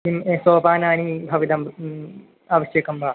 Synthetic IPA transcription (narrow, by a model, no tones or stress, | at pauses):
imeːsoːpaːnaːnibʱɐʋid̪ɐm | aːʋɐʃjɐkɐmbaː